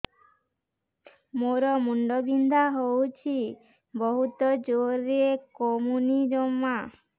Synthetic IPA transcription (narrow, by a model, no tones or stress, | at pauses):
moɾɔmuɳɖɔbind̪ʱaɦowt͡ʃʰi | bɔɦut̪ɔd͡ʒoɾekɔmunid͡ʒɔmːa